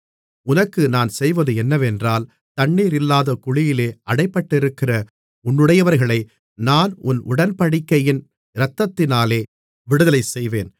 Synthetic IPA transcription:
ʊnɐkːɯnaːnsɛjʋɐðɯɛnːɐʋɛndraːl | t̪ɐɳːiːɾɪlːaːðɐkʊɭɪjɪleːɐɽɐɪpːɐʈːɪɾɯkːɪrɐ | ʊnːɯɽɐjɐʋɐɾɣɐɭɐɪ | naːnʊnʔʊ̰ɽɐnpɐɽɪkːɐjɪn | ɾɐt̪ːɐt̪ːɪnaːleː | ʋɪɽɯðɐlɐɪsɛjʋeːn

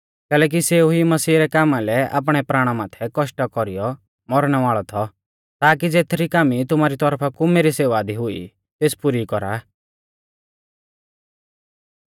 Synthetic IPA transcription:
kɛːlɛːk̬iseːuɦimɐsiːɾɛkaːmalɛa̰ːp̬ɽ̃ɛpɾaːɽ̃amaːt̪ʰɛkɔʃʈɔkɔɾijɔ | mɔɾɽ̃ɛʋaːɭɔt̪ʰɔ | t̪aːkid͡zeːt̪ʰɾikaːmit̪ʊmaːɾit̪ɔɾpʰakumeːɾiseːʋaːd̪iɦʊḭ | t̪eːspuɾikɔɾa̰

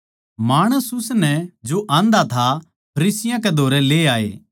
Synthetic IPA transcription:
maːɽ̃əsʊsnɛd͡ʒoʔãːnd̪at̪ʰa | pʰɐɾiːsɪjãk̬ed̪ʱoːɾɛleːaːḛː

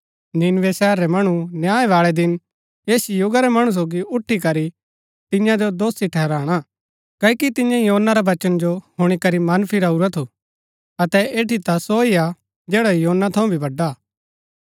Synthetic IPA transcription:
nɪnʋesɛːɾːɛmɐɽ̃ũnjaːeʋaːɭɛd̪ɪn | eːsijʊɡaɾɛmɐɽ̃ũs̬oːɡiʊʈʰːikɐɾi | t̪ɪ̃jãd͡ʒod̪oːst̪iʈʰɛɦɾaːɽ̃a | kɐːikit̪ɪ̃jãjɦoːnːaɾaʋɐt͡ʃənd͡ʒohʊɽ̃ikɐɾimɐnpʰiɾauɾat̪ʰu | ɐt̪ɛeːʈit̪asoːia | d͡ʒɛːɽajɦoːnːat̪ʰɐũbʱibʱɐɖːaː

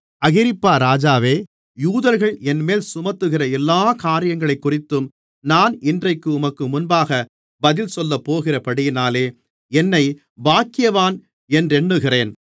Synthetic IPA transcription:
ɐɣɪɾɪpːaːɾaːd͡ʒaːʋeː | juːðɐɾɣɐɭɛnmeːlsʊmɐt̪ːɯɣɪrɐɛlːaːkaːɾɪjɐŋɡɐɭɐɪkːʊrɪt̪ːɯm | naːnɪndrɐɪkːɯʊmɐkːɯmʊnbaːɣɐ | bɐðɪlsɔlːɐpːoːɣɪrɐpɐɽɪjɪnaːleː | ɛnːɐɪ | baːkːɪjɐʋaːn | ɛndrɛɳːɯɣɪreːn

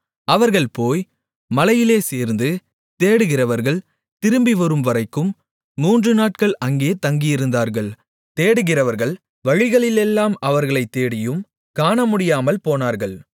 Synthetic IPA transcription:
ɐʋɐɾɣɐɭpoːj | mɐlɐjɪleːseːɾnd̪ɯ | t̪eːɽɯɣɪrɐʋɐɾɣɐɭ | t̪ɪɾɯmbɪʋɔɾɯmʋɐɾɐɪkːɯmː | uːndrɯnaːʈ̚kɐɭʔɐŋɡeːt̪ɐŋɡɪjɪɾɯnd̪aːɾɣɐɭ | t̪eːɽɯɣɪrɐʋɐɾɣɐɭ | ʋɐɻɪɣɐɭɪlɛlːaːmɐʋɐɾɣɐɭɐɪt̪ːeːɽɪjɯm | kaːɳɐmʊɽɪjaːmɐlpoːnaːɾɣɐɭ

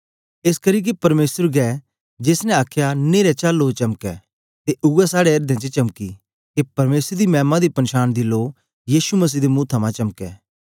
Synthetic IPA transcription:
eːskɐɾiːk̬ipɐɾmeːsəɾɡɛː | d͡ʒeːsnɛ̃aːkʰjaneːɾɛt͡ʃaːlːot͡ʃɐmkɛː | t̪eʔʊɛsaːɽeɐɾd̪ẽt͡ʃet͡ʃɐmkḭ | k̪epɐɾmeːsəɾd̪imɛ̃ːmãd̪ipɐnʃaːnd̪iloːk | jiːʃumɐs̬iːd̪emuːt̪ʰɐmãt͡ʃɐmkɛ̰ː

